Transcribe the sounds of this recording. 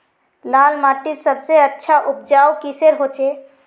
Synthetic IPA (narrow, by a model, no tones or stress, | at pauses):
lalmaʈisəbseətːʃʰaʔup̚d͡ʒawkiseɾɦot͡ʃʰe